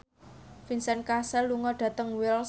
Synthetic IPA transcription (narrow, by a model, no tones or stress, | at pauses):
finsɛnkasɛlːuŋɔɖ̥ä̤t̪əŋwɪls